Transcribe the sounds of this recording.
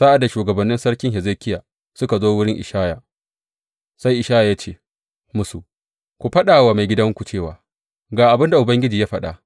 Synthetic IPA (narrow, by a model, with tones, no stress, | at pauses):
sa˦ʔa˨dːa˨ʃuː˨ɡɐ˨bɐ˨nːɪ˦nsɐ˦ɽkʲɪ˦ŋɦɛ˨zeː˦kʲɪ˦jaː˨ | sʊ˦ka˨zoː˦wʊ˦ɽɪ˦ŋʔɪ̰˨ʃaː˦ja˨ | sa˦jʔɪ˨ʃaː˦jaː˨ja˦t͡ʃeː˦˨ | mʊ˦su˨ | kʷu˨ɸɐ˦ɗaː˨waː˨ma˨jɡʲɪ˦dɐ˦ŋkʷu˨t͡ʃeː˦˨wa̰ː˨ | ɡaː˨ʔa˨bɪ˦nda˨ʔʊ˨bɐ˦ŋɡʲɪ˦d͡ʒiː˨ja˦ɸɐ˦ɗa̰˨